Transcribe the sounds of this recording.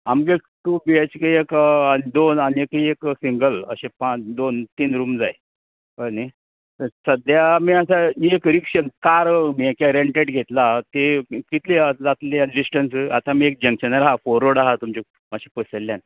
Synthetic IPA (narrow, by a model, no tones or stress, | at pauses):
amɡekʈubiet͡ɕkəekanid̪onaniekieksiŋɡələ̰ɕepad̪ont̪iːnɾuːmd͡zae | əni | t̪əsəd̪jamiːasaekɾikɕənkaɾmiekjaɾeɳʈeɽɡʱet̪lat̪ekit̪led͡zat̪leaɖisʈənsat̪amiːek̚d͡ʑəŋkɕənɾaɦafoɾːoɽaɦat̪umt͡ɕi | mat͡ɕʰipəsəlːjan